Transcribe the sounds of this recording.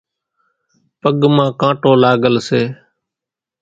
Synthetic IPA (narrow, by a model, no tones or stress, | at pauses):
pəɠmãːkãːʈoːlaːɡəlseː